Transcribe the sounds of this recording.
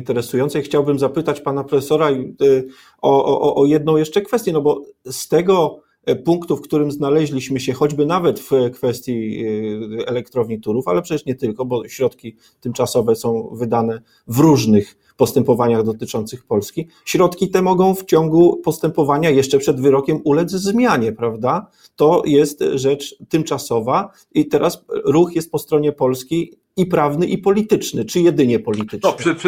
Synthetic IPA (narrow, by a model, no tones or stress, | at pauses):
nt̪ɛɾɛsujɔnt̪sɛjxt͡ɕawbɘmzapɘt̪at͡ɕpanapɾɔfɛsɔɾai | ɔʔʔʔɔjɛd̪nɔ̃w̃jɛʂt͡ʂɛkfɛst̪jɛnɔbɔst̪ɛɡɔ | puŋkt̪ufkt̪uɾɘmznalɛʑlʲiɕmɘɕɛxɔd͡ʑbɘnavɛt̪fkfɛst̪ʲji | ɛlɛkt̪ɾɔvɲit̪uɾufa̰lɛpʂɛt͡ɕɛʂɲɛt̪ɘlkɔbɔɕɾɔt̪kʲi | t̪ɘmt͡ʂasɔvɛsɔ̃w̃vɘd̪anɛ | vɾuʐnɘx | pɔst̪ɛmpɔvaɲaɣd̪ɔt̪ɘt͡ʂɔnt̪sɘxpɔlskʲi | ɕɾɔt̪kʲit̪ɛmɔɡɔ̃w̃ft͡ɕɔŋɡupɔst̪ɛmpɔvaɲajɛʂt͡ʂɛpʂɛd̪vɘɾɔkʲɛmulɛd̪zzmʲjaɲɛpɾavd̪a | t̪ɔjɛst̪ʐɛt͡ʂt̪ɘmt͡ʂasɔva | it̪ɛɾasɾuxjɛst̪̚pɔst̪ɾɔɲɛpɔlskʲej | ipɾavnɘʔipɔlʲit̪ɘt͡ʂnɘt͡ʂɘjɛd̪ɘɲɛpɔlʲit̪ɘt͡ʂɛ